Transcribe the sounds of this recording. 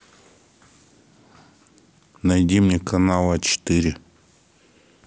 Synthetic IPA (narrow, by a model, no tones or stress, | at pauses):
najd̪ʲimnʲekʰanalˠat͡ɕɪ̥t̪ɨɾʲɪ